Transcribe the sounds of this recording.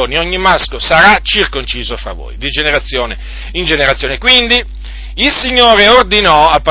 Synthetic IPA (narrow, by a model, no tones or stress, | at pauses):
oːnioɲːimaskosaɾat͡ʃirkont͡ʃiːzofɾa̰vo̰jd̪id͡ʒeneɾat̪sːjoːne | ind͡ʒeneɾat̪sːjoːnekwind̪i | ilsiɲːoːɾeord̪inɔapːa